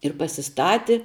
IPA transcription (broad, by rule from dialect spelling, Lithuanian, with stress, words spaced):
ɪr pɐsʲɪˈstɑːtʲɪ